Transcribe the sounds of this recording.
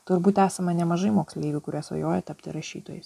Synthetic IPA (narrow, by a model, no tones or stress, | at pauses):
t̪ʊɾbuːt̪æːsɐmɐnʲɛmɐʒɐɪmoːksʲlʲiːbʲʊkʊɾʲiɛsʋɐ̰joːjɛt̪ɐp̚ʲt̪ʲɪ̰ɾɐʃʲiːt̪oːjɛs